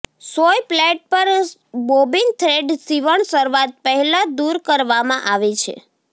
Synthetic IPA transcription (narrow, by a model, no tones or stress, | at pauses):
sojpleʈ̚pəɾbobint̪ʰɾeɖsiʋəɳsəɾʋat̪̚pəɦɛlãd̪uɾkəɾʋamãʔaʋet͡ʃʰḛ